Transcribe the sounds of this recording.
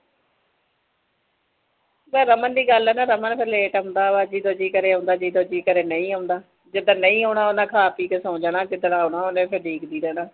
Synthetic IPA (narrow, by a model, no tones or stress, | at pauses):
bɛːɾəmənd̪iːɡəlɛːnaːɾəmənpʰəɾleːʈɦə̃ːnd̪aːʋaːd͡ʒiːd̪oːd͡ʒiːkəɾeːɦãːnd̪aːd͡ʒiːd̪oːd͡ʒiːkəɾeːnəĩːɦaʊnd̪aː | d͡ʒɪd̪ãːnəĩːɦoːɳaːonãːkʰaːpiːkesoːd͡ʒanaːd͡ʒɪd̪ɽãːoːɳaːonẽːpʰəɖiːkd̪iːɾɛːnãː